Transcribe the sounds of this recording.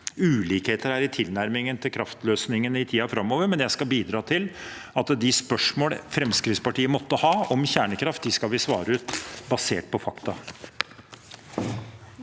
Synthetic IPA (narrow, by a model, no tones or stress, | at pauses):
ʉːliːkheːt̪əɾæɾɪt̪ʰɪlnæɾmɪŋənt̪ʰɪlkʰɾɑft̪løːsnɪŋənɪt̪ʰiːɑfɾɑmːoːʋəɾmɛnjæɪskɑbiːd̪ɾɑːt̪ʰɪlɑt̪d̪ɪspœʂmoːlfɾɛmskɾɪt̪spɑʈiːəmɔt̪ːəhɑːɔmçæːɳəkʰɾɑft̪̚d̪ɪskɑlʋɪsʋɑ̰ːɾəʉːt̪bɑseːʈ̚pʰɔfɑkt̪ɑ